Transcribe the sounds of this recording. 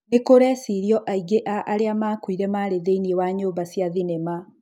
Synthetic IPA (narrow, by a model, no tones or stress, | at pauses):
nekoɾɛsiɾjɔʔaiɡeʔaʔːɾeamaːkwiɾɛmaɾeðeiniewaɲoːmbasjaðinema